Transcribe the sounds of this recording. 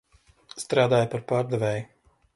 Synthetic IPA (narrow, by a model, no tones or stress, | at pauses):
st̪ɾaːd̪aːjpaɾpaːɾd̪ɛvɛːju